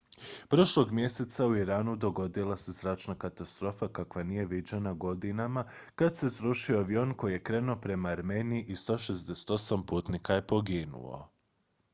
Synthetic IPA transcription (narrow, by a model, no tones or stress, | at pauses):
pɾo̞ʃlo̞ɡmje̞se̞t̪sauiɾaːnud̪o̞ɡo̞d̪ilˠase̞zɾaːt͡ʃnakat̪ast̪ɾo̞ːfakakʋanije̞ʋid͡ʑenaɡo̞d̪inamakad̪se̞sɾuʃioaʋio̞nko̞jije̞kɾe̞ːnuopɾe̞maːɾmeːniiʔist̪o̞ʃezd̪e̞se̥t̪o̞sampuːt̪nikaje̞po̞ɡinṵo̰